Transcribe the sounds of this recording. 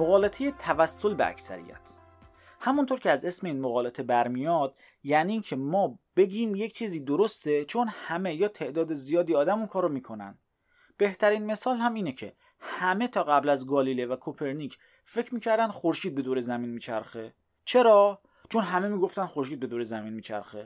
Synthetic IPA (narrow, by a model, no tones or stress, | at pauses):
moɣɒːlet̪ʰejet̪ʰævæsːolbḛæ̰csæ̰ɾḭjæ̰t̪ʰ | hæmunt̪ʰoɾcʰeæze̞smeiːnmoɣɒːlet̪ʰe̞bæɾmijɒd̪̥ | jæniːncʰe̞mɒːb̥e̞ɟiːmje̞cʰt͡ʃʰiːziːd̪oɾost̪e̞t͡ʃʰonhæme̞jɒːt̪ʰe̞ʔd̪ɒːd̪ezijɒːd̪iɒːd̪æmunkʰɒːɾomiːkʰo̞næ̰nd̪ | b̥e̞ht̪ʰæɾiːnme̞sɒːlhæmiːnecʰe̞ | hæme̞t̪ʰɒːɣæblæzɡɒːlilevækʰopʰe̞ɾnicʰ | fe̞cʰɾmiːcʰæɾd̪ænd̪xoɾʃiːd̪̚be̞d̪oːɾezæmiːnmiːt͡ʃʰæɾxe | t͡ʃʰe̞ɾɒː | t͡ʃʰo̞nɦæme̞miːɡo̞ft̪ænd̪xoɾʃ̬iːd̪be̞d̪oɾezæmiːnmiːt͡ʃʰæ̰ɾxe